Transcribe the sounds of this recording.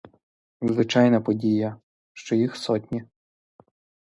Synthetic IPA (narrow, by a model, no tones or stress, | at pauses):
zʋɪt͡ʃɑjnɐpɔdʲijɐ | ʃt͡ʃɔjixsɔtʲnʲi